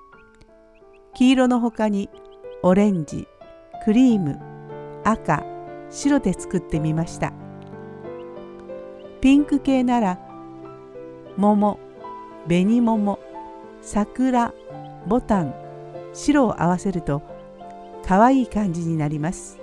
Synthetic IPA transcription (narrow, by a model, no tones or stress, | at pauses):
kʲiːɾo̞no̞ɦo̞kaɲ̟io̞ɾẽ̞ɲ̟d͡ʑḭ | kɯ̟ɾʲiːmɯ̟̰aka̰ɕiɾo̞d̪e̞t͡sɨ̥kɯ̟t̪ːe̞mʲimaɕi̥t̪a̰ | pʲĩŋkɯ̟ke̞ːnaɾa | mo̞mo̞ | be̞ɲ̟imo̞mo̞ | sakɯ̟ɾa | bo̞t̪ãŋ | ɕiɾo̞̰ːʔa̰β̞ase̞ɾɯ̟t̪o̞ | kʰaβaiːkãɲ̟d͡ʑiɲ̟inaɾʲimasɨ̥